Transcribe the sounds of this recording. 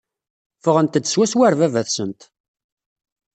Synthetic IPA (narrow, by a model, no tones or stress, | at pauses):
fəʁənt̪əd̪ːəswæswæɾvævæθsənt̪